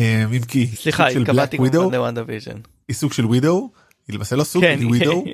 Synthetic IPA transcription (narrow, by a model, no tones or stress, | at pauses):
emimkiislisuaɡʃelblak̪iwid̪ownewãnd̪aviʒo̰n | isuɡʃelwid̪o̞w | ilemaːselosuɡwidow